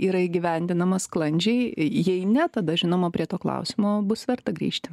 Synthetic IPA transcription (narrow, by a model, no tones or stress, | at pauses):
iːɾɐɪɡʲɪʋʲɛnʲd̪ʲɪnɐmɐsklˠɐnʲd͡ʒʲɛɪjɛɪnʲɛt̪ɐd̪ɐʒʲɪnoːmɐpʲɾʲiɛt̪oːklˠɐ̰ʊsʲɪmoːbʊsʋʲɛrt̪ɐɡɾʲḭːʃʲt̪ʲɪ̥